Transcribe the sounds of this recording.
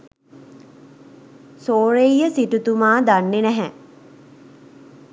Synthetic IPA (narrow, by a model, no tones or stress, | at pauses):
soːɾejjəsiʈut̪umaːd̪anːenɛɦɛ